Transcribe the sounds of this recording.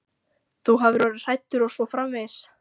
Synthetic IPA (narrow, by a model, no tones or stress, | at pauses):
θuɦavɪɾɔːɾɪ̥r̥ajt̪ʏɾɔɣsɔfɾamvɛðs